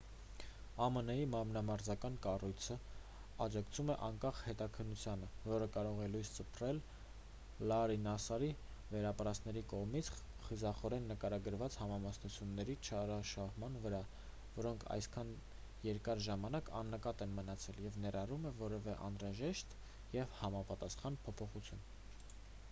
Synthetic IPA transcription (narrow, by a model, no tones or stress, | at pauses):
ɑmənəjimɑmnɑmɑɾzɑkɑnkɑrujt͡sʰə | ɑd͡ʒɑkt͡sʰumɛʔɑŋkɑχhɛt̪ɑkʰənːut͡sʰjɑnəvɔɾəkɑɾɔʁɛlujst͡səpʰrɛlː | ɑɾinɑsɑɾi | vɛɾɑpəɾɑstnɛɾikɔʁmit͡sʰ | χizɑχɔɾɛnːəkɑɾɑɡəɾvɑt͡shɑmɑmɑsnut͡sʰjunːɛɾit͡ʃʰɑɾɑʃɑɦmɑnvəɾɑ | vɔɾɔŋkʰɑ̰jskʰɑn | jɛɾkɑɾʒɑmɑnɑkʰɑ̰nːəkɑt̪ɛnmənɑt͡sʰɛljɛvnɛɾɑrumɛvɔɾɛvɛʔɑ̰nɾɑʒɛʃt̪ | jɛvhɑmɑpɑt̪ɑsχɑnpʰɔpʰɔχut͡sʰjun